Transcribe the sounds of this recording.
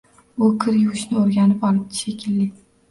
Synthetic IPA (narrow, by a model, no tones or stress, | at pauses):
ʊkʲʰɪɾjʊwɪʃnɪoɾɡʲanɪpɒlˠɪp̪̚ʃekʲʰɪlːɪ